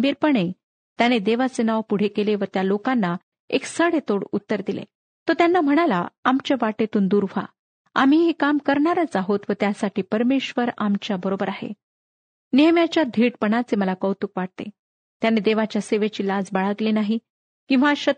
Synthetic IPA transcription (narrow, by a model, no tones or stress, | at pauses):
biːɾpəɳe | t̪janed̪eʋat͡senaʋpuɽ̤ekeleʋət̪jalokanːa | eksəɽet̪oɽut̪ːəɾd̪ilḛ | t̪ot̪janːam̤əɽ̃alaamt͡ɕeʋaʈet̪uːnd̪uɾfa̰ | a̰m̤iɦekamkəɾɳaɾət͡saɦot̪ʋət̪jasaʈiːpəɾmeɕʋəɾamt͡ɕjabəɾobəɾaɦḛ | neɦmjat͡ɕjad̪ʱiːʈpəɳat͡seməlakəwt̪ukʋaɽ̚t̪ḛ | t̪janed̪eʋat͡ɕjaseʋet͡ɕiːlad͡zbaɭaɡlenaɦi | kĩw̃ʋaɕə